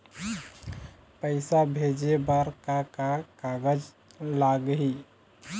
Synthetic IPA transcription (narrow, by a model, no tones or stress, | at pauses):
pəɪsabʱed͡ʒebaɾkakakaɡəd͡ʒ | laɡɦi